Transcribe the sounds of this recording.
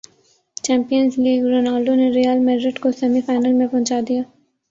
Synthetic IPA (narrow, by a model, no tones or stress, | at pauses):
t͡ʃɛ̃ːmpijənzliːɡɾoːnaːlɖoneɾijəlmɛɖɾɪʈkosɛmifaːɪnəlmẽpɐ̃ɦt͡ʃaːd̪ijaː